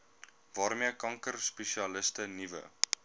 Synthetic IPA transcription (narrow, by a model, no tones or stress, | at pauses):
vɑːrmiəkɐŋkərspeʃiɐləstənivə̰